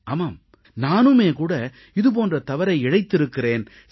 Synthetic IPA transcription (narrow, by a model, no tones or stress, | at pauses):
aːmaːm | naːnɯmeːkuːɽɐ | ɪðɯp̬oːndrɐt̪ɐʋɐɾɐɪɪɻɐɪt̪ːɪɾɯkːɪreːn